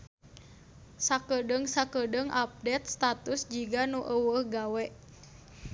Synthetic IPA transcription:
sakədəŋsakədəŋʔap̚dɛt̪̚st̪at̪usd͡ʒiɡanuʔəwəhɡawɛʔ

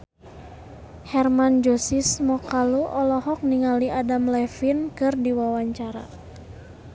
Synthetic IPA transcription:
hɛrmand͡ʒosismɔkaluʔɔlɔɦɔk̚niŋaliʔadamlɛfinkɨrdiwawaɲt͡ʃaɾa̰

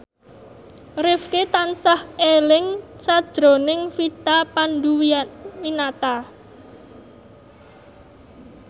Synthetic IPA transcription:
rɪfket̪ansahelɪŋsad̥ʒ̥ɾo̤nɪŋfit̪apanɖ̪uwwinat̪a

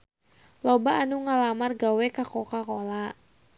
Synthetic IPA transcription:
lɔbaʔːnuŋalamarɡawɛkakɔkakola

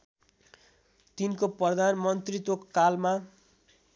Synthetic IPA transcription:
t̪inkoprʌd̪ʱanmʌnt̪rit̪okkalma

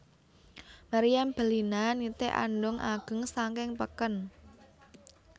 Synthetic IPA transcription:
maɾijamb̥ə̤linanit̪eʔa̰nɖʊŋʔaɡ̥ə̤ŋsaŋkɪŋpəkən

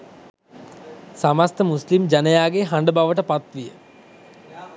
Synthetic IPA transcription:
samast̪əmuslimd͡ʑanəjaːɡeɦaɳɖəbaʋəʈəpat̪ʋijə̰

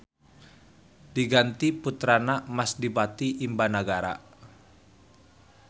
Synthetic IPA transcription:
d̥iɡant̪iput̪ɾanamasdibat̪iʔimbanaɡaɾa̰

